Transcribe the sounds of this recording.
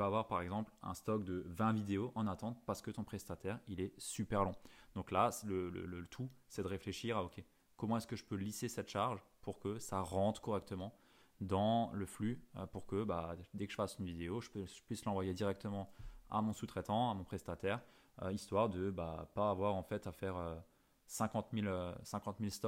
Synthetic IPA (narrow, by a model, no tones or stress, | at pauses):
øavwaʁpaʁɛɡzɑ̃plɛ̰̃st̪ɔk̚d̪əvɛ̃vid̪eoʔɑ̃nat̪ɑ̃t̪̚paʁsə̥kət̪ɔ̃pχɛst̪at̪ɛʁilɛsypɛʁlɔ̃d̪ɔ̃klaslələ̰lət̪ʰusɛd̪əʁefleʃiʁaɔkʲʰe | kɔmɑ̃ɛskəʒəpølisesɛt̪ʃaʁʒpʰuʁkəsaʁɑ̃t̪χkɔʁɛk̚t̪əmɑ̃ | d̪ɑ̃ləflyøpuʁkəbad̪ekə̥ʒəfasynvid̪eoʒəpʒə̥pɥislɑ̃vwajed̪iʁɛk̚t̪əmɑ̃a̰mɔ̃sut̪χɛt̪ɑ̃amɔ̃pχɛst̪at̪ɛʁ | ø̰ist̪waʁd̪əba̰paːvwaʁɑ̃fɛt̪afɛʁø | sɛ̃kɑ̃t̪miløsɛ̃kɑ̃t̪milst̪ɔk